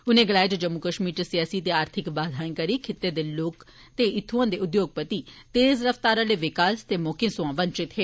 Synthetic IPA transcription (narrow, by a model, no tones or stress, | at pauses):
ʊnẽːɡəlaːeːd͡ʒ̪ed͡ʒəmːukəʃmiːɾt͡ʃesɪjaːsiːt̪eːaːɾt̪ʰɪkbaːd̪ʱaːkəɾiːkʰɪt̪ːeːd̪eːloːk | t̪eːɪt̪ʰːuãːd̪eːʊd̪joːɡ̚pət̪iːt̪eːzɾəft̪aːɾãːleːʋɪkaːst̪eːmoːkẽːsʊãːʋənt͡ʃɪt̪ɦeː